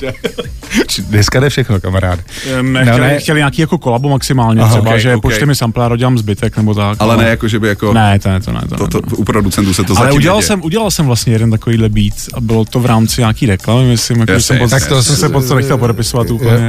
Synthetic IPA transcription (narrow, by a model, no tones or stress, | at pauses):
dnɛskadɛfʃɛxnokamaɾa̰ːdɪmɛxɛlɪxcɛlɪɲaːkiːjakokolabumaksɪmaːlɲɛɦɾɛbaʒɛpot͡ʃt̪ɛmɪsamplaːɾoɟɛlaːmzbɪt̪ɛknɛbot̪akalɛnɛjakoʒɛbɪjakonɛt̪onɛt̪o̰nɛ̰t̪o̰t̪o̰upɾodut͡sɛnt̪usɛt̪ozalɛuɟɛlalsɛmʔuɟɛlalsɛmvlast̪ɲɛjɛdɛnt̪akoviːdlɛbiːt̪ | abɪlot̪ovɾaːmt͡sɪɲaːkiːɾɛklamɪmɪslɪmjaoʒɛsɛmpot̪akt̪osɛmssɛpot̪t̪onɛxcɛlpodɛpɪsovat̪uːpl̩ɲɛ